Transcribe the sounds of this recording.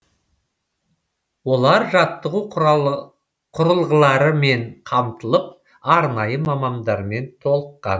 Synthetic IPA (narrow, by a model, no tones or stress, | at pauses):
wo̞lˠɑɾʒɑt̪ːəʁu | qʰʊɾəlˠʁəlˠɑɾəme̞ɴqʰɑmt̪əlˠəp̚ | ɑɾnɑjəmɑmɑmd̪ɑɾme̞nt̪ʰo̞lˠəqːɑ̰n